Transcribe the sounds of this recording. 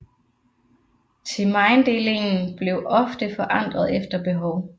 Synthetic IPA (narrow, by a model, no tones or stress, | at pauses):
t͡sʰe̝mɑ̈ɪnd̥e̝le̝ŋn̩b̥le̝ʊʔɒ̽fd̥əfɒ̽ʔɑ̈n̰d̥ʁɐð̞̩ˠefd̥ɐb̥e̝ɦɒʊ